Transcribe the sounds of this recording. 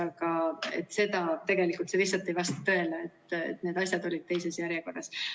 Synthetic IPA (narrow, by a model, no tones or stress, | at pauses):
ɑɡ̥ɑe̞̰t̪ːˑse̞d̪ɑt̪e̞ɡ̥e̞likːˑult̪se̞visːɑt̪ːˑe̞jvɑst̪ɑ̥t̪ø̞e̞lɑet̪ːˑḛt̪ːned̪̥ɑsʲjɑd̪o̞lʲid̪̥̚t̪e̞js̬e̞sjæɾjeko̞rːɑs